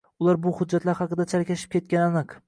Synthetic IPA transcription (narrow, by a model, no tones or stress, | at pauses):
ʊlˠaɾbʊhʊd͡ʒːat̪laɾhɑqɨd̪at͡ʃʰaɾkʲʰaʃɪ̥p̚kʲʰe̞t̪̚kʲananɨq